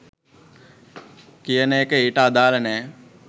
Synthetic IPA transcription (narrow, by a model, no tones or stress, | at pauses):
kijənejːkəeːʈəːd̪aːlənɛː